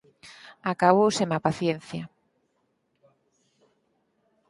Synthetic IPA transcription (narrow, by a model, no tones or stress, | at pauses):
akaβowsemapaθjen̟θja